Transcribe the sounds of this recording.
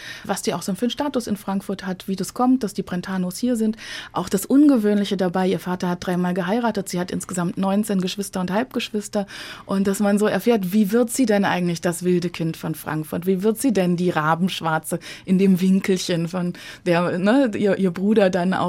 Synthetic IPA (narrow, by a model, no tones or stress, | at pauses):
vasz̥iːaʊxz̥oːnfyːnʃtaːtʊsɪnfʁ̥aŋkfʊɐthatv̥iːdaskʰɔmt̚d̥asd̥iːpʁ̥ɛntʰaːnoːshiːɐzɪntʔaʊxd̥asʔʊnɡəvøːnlɪçədabaɪiːɐfaːtɐhat̚d̥ʁaɪmaːlɡəɦaɪʁaːtətz̥iːhatʔɪ̰nsɡ̥əzamtnɔʏnt͡seːnɡəʃv̥ɪstɐʊnthalp̚ɡ̥əʃv̥ɪstɐʔʊnt̚d̥asmanzoːɛɐfeːɐtv̥iːvɪɐtz̥iːdɛnʔa̰ɪɡŋ̩tlɪçd̥asv̥ɪldəkʰɪntfɔnfʁ̥a̰ŋkfʊɐtv̥iːvɪɐtz̥iːdɛndiːʁaːbm̩ʃv̥aɐt͡səʔɪndeːmvɪŋkl̩çənfɔnd̥eːɐnəʔiːɐʔiːɐbʁuːɾɐdanʔa̰ʊ